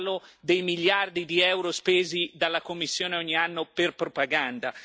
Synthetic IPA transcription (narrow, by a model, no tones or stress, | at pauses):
lod̪ejmiʎːard̪id̪iɛwɾospeːzid̪alːakomːisːjoːneɔɲːianːoperpɾopaɡand̪a